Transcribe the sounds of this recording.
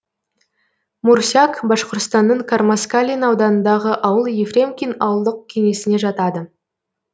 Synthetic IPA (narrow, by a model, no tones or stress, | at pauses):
muɾsʲjakbɑʃqoɾt̪st̪ɑnːəɴkʰarmaskalʲinɑwd̪ɑnənd̪ɑʁəʔɑwəlˠjefrʲe̞mkʲinɑwəlˠd̪əq̚kʲʰe̞ŋe̞sɪne̞ʒɑt̪ɑd̪ə